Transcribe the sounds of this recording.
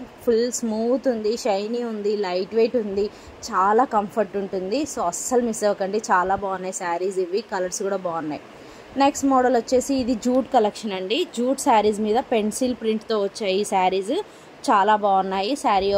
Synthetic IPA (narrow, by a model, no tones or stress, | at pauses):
pʰilsmuːt̪und̪iʃɐjniund̪ilɐjʈʋejʈund̪i | t͡ʃaːlaːkɐmpʰɐɾʈuɳʈund̪isoːɐsːɐlmiseːʋɐkɐɳʈeːt͡ʃaːlaːbaːɐnːaːjisaːɾiːd͡ʒiʋːikɐlɐɾskuːɽaːbaːɐnːa̰ːji | ne̞ksʈmɔːɽɐlʋɐt͡ʃːe̞ːsiːd̪id͡ʒuːʈkɐlekʂɐnɐɳɖid͡ʒuːʈsaːɾiːd͡ʒmiːd̪ɐpe̞ɳsilpɾiɳʈt̪oːʋɐt͡ʃːaːjisaːɾiːz | t͡ʃaːlaːbaːɐnːaːjisaːɾi